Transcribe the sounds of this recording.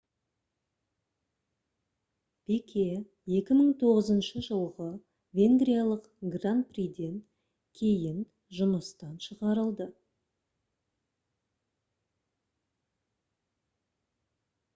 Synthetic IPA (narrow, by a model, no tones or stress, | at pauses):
pekʲʰe̞ | je̞kʲɪməɴt̪ʰo̞ʁəzənʃəʒəlˠʁə | vʲe̞ŋɡrijalˠəq | ɡran̚prijd̪e̞ŋ | kʲʰe̞jɪn | ʒʊməst̪ɑnʃəʁɑɾəlˠd̪ə